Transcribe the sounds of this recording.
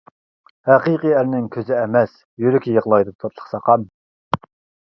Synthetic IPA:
hæqiqiæɾnɪŋkʲʰøzɪɛmɛs | jyɾɪkʲʰjəʁlˠɑjd̪ɨp̚t̪ʰoɾlˠə̥χsɑqʰɑm

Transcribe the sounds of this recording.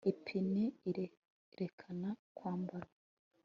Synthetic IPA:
ipʰini | ɾʔekʰanakwaːmbaɾa

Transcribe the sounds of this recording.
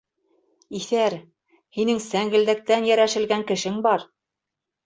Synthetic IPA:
iθæɾ | hinɘŋsæŋɡɘ̆ld̪æ̆k̚t̪ænjæɾæʃɘ̆lɡæŋkɘ̆ʃɘŋbɑɾ

